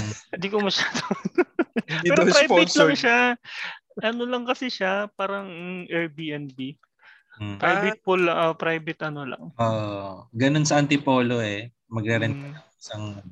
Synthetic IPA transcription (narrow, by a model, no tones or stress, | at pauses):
nd̪ikomɐʃaːd̪o | pɛɾopɾajpbɪt̪laŋʃa | ʔɐnolɐŋkɐsɪʃapaːɾɐŋʔɛɹbiʔɛnbi | pɾajbɪt̪̚polʔopɾajbɪt̪ʔɐnolɐ̰ŋoʔɡɐnonsɐʔɐnt̪ɪpoːloɛ | mɐɡ̚ɾɛɾɛnɐŋsɐŋ